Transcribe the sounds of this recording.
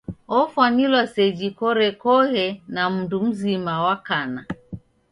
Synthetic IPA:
ɔfwanilwasɛd͡ʒikɔɾɛkɔhɛnam̩dum̩zimawakana

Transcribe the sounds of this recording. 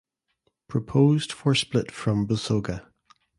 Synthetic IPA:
pʰɹ̥əpʰoːzd̥fə˞splˠɪʔfɹə̃mbəsoɡə

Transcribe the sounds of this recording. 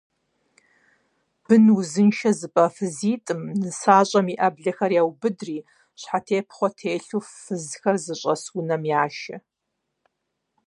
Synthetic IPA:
b̥ɨnwuzɨnʃɐzɨpʼɐfɨziːtʼɨmzɨsaːɕʼɐmiʔɐbɮɐxɐrjaːwbɨdriː | ɕħatʰeːpʰχʷɔtʰeːɬuːfɨzxɐrzɨɕʷʼɐswʊnɐmjaːʃɐ

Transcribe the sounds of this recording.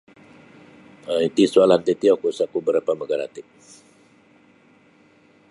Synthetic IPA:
əit̪isualant̪et̪iɔkusakubəɾapaməɡaɾa̰t̪ɪk̚

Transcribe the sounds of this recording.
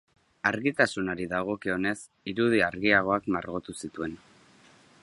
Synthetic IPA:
aɾɣit̪asunoɾiðaɣ̞o̞kio̞ne̞s | iɾuð̞iaɾɣiaɣ̞o̞akmaɾɣo̞t̪usit̪ue̞n

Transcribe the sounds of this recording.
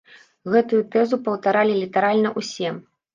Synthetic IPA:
ɣɛt̪ujut̪ɛzupɐwt̪aɾalʲilʲit̪ɐɾalʲnɐʔusʲɛm

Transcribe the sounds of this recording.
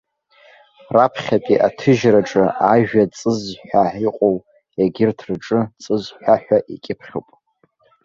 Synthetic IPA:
rapʰχʲatʼiʔatʰɨʒraʈ͡ʂʼɨaʒᶣat͡sʼɨzħʷᶣaʕiqʼow | eɡʲɪrtʰrɨʈ͡ʂʼɨt͡sʼɨzħʷaħᶣʷaʔḭkʲʼɪpʰχʲo̰pʼ

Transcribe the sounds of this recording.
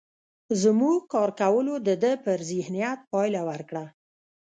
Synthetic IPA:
zmuɡkɑɾkawəlod̪əd̪əpəɾzɪhnijat̪̚pɑjlawəɾkɽa

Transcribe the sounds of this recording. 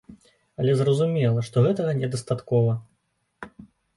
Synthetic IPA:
ɐlʲɛzrɐzumʲɛlˠɐʂt̪ɔɣɛt̪ɐɣɐnʲɛd̪ɐst̪at̪kɔvɐ

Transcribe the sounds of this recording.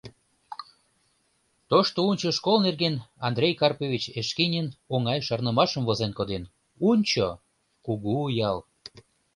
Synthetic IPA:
t̪oʃt̪ounʲt͡ɕoʃkolnerɣenɑnd̪ɾʲejkɑrpovʲit͡ɕeʃkinʲənoŋɑjʃɑrnəmɑʃəmvozenkod̪en | unʲt͡ɕo | kuɣuːjɑl

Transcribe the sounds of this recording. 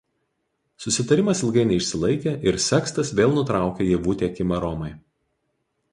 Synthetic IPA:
sʊsʲɪt̪ɐɾʲɪmɐsɪlˠɡɐɪnʲɛɪʃʲsʲɪlˠɐɪkʲeːʔɪɾsʲɛkst̪ɐsʋʲeːlˠnʊt̪ɾɑˑʊkʲeːjeʋuːt̪ʲeːkʲɪmɐɾɔmɐɪ

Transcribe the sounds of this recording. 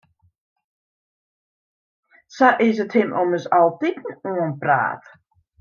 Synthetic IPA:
saʔɪs̬əthɪmʔɔməsalˠtikn̩uənpra̰ːt

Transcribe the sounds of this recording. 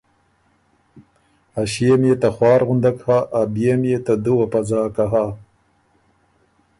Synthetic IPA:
aɕiemjet̪axwɑːɾɣund̪akhaʔabijemjet̪ad̪uwapazɑːkaɦa

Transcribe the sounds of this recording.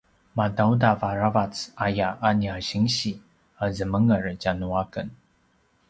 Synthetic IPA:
madawdavaɾavat͡sajaʔaniaɕiŋɕi | əzəməŋəɾəd͡ʑanuakən

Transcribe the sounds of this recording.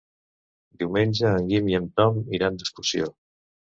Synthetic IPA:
d̪iwmenʲd͡ʒəːŋɡimiəmt̪ɔmiɾand̪əskusjo

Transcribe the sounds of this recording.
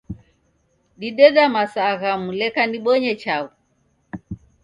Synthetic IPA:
ɗiɗɛɗamasaɣamulɛkaniɓɔɲɛt͡ʃau

